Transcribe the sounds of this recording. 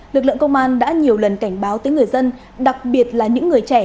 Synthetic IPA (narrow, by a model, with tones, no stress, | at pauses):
lɨ˨˩k̚lɨ̰˧˨ŋkə˧wŋ͡mʔaː˧nɗa̰ː˧˥ɲi˨˩əwlə˨˩nka˧˩jŋ̟ɓaː˨˦wt̪əː˨˦jŋɨ˨˩əjzə˧n | ɗa˨˩k̚ɓi˨˩ət̚laː˨˩ɲɨ̰˧˥ŋːɨ˨˩əjt͡ɕɛ˧˩